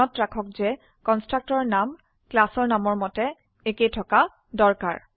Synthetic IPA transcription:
ɔtɹakʰɔk̚zɛ | kɔnstɹak̚tɔɹnam | klasɔɹnamɔɹmɔtɛ | ekejtʰɔka | dɔɹka̰ɹ

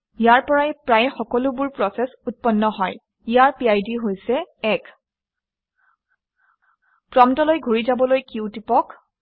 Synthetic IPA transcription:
ijaɹpɔɹajpɹajxɔkɔlʊbʊɹpɹɔsɛsut̚pɔnːɔɦɔj | ijaɹpiajdiɦojsɛɛk | pɹɔmtɔlojɡʱuɹizabɔlojkiʊtipɔk

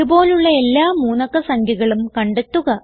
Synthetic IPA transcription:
ubo̞ːluɭːɐe̞lːaːmuːnɐkːɐsɐŋɡʱjɐɣɐɭumkɐɳɖet̪ːuɣɐ

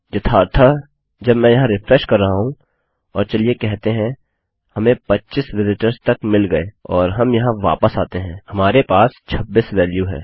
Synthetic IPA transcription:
jɐt̪ʰaːɾt̪ʰa | d͡ʒɐbmɛ̃ːjɐɦãɾɪfɾɛʃkɐɾːɐɦaɦũ | ɔːɾt͡ʃɐliekɛɦt̪eɦɛ̃ | hɐmẽpɐtːʃisʋɪzɪʈəɾzt̪ɐkmɪlɡɐeɔːɾɦɐmjɐɦãʋa̰ːpəsaːt̪eɦɛ̃ːhɐmaːɾepaːst͡ʃʰɐbːisʋɛːljuɦɛ̰ː

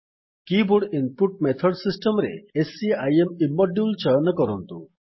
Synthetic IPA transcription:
kibuɽinpuʈ̚met̪ʰɔɖsisʈemɾḛesiajemimːɔɖjult͡ʃanɔkɔɾɔnt̪u

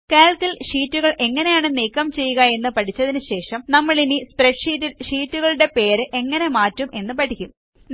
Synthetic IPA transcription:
keːlkilʂiːtːuɣɐɭʔe̞ŋːɐne̞jaːɳɨniːkːɐmt͡ɕe̞jːuɣɐe̞nːɨpɐʈʰit͡ɕːɐðinɨɕe̞ːʂɐmnɐmːɐɭinispreʈʂitːiʂiːtːuɣɐɭuɽe̞pe̞ːɾɨʔe̞ŋːɐne̞maːtːumʔe̞nːɨpɐʈʰikʲːum

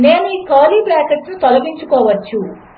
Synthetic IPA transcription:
ne̞ːnuiːkaːliːbɾaːkɐʈsnut̪ɔlɐɡiɲt͡ʃukɔːʋɐt͡ʃːu

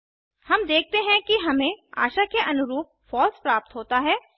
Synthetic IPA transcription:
hɐmd̪eːk̚ʰt̪eɦɛ̃kiɦɐmẽa̰ːʃakeʔɐnʊɾuːp̚fɔːlspɾaːp̚t̪ɦoːt̪aɦɛː

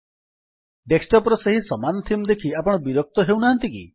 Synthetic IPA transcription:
ʈeksʈɔpɾɔseɦisɔmanɔt̪ʰimd̪ekʰiapɔɽ̃ɔbiɾɔk̚t̪ɔɦewnaɦant̪ikḭ

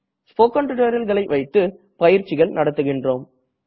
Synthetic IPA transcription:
spoːkːɐɳʈɪʈɐɾɐlɣɐɭɐɪʋɐɪt̪ːɯ | pɐjɪɾt͡ʃːɪɣɐɭnɐɽɐt̪ːɯɣɪndroːm

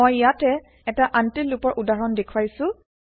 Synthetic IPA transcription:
ojjatɛ | ɛtaʔantilupɔɹʔudaɹɔndekʰuwajsʊ̃

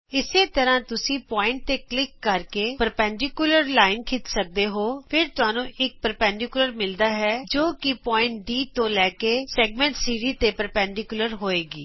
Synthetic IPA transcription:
ɪseːt̪əɾãːt̪ʊsĩːpɔːɪ̃ɳʈ̚t̪eːklɪkːəɾkeːpəɾpɛ̃ːɳɖɪkjʊləɾlaːɪnkʰɪt̪sək̚d̪eːɦoːpʰɪɾt̪ʊaːnũːʔɪk̚pəɾpɛ̃ːɳɖɪkʊləɾmɪld̪aːɦɛːd͡ʒoːkɪpɔːɪ̃ɳʈ̚ɖiːt̪õːlɛːkeːsɛːɡmɛ̃ːɳʈsiːɾiːt̪eːpəɾpɛ̃ːɳɖɪkjʊləɾɦoːeːɡḭː

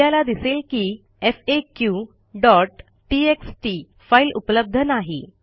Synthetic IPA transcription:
alad̪iselkiː | efekju | ɖɔʈː | ieksʈi | failupləb̚d̪ʱənaɦḛ

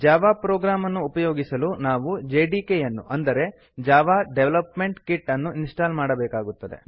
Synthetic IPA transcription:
d͡ʒaːʋaːpɾoːɡɾaːmɐnːuːpɐjoːɡisɐlunaːʋud͡ʒeːɖiːkejɐnːṵʔɐnd̪ɐɾe̞ | d͡ʒaːʋaːɖeʋlɐpme̞ɳʈkiʈːɐnːuinsʈaːlmaːɽɐbɛːkaːɡut̪ːɐd̪e̞̰

